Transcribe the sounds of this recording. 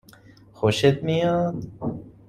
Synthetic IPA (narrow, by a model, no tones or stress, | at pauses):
xoʃet̪̚mijɔːt̪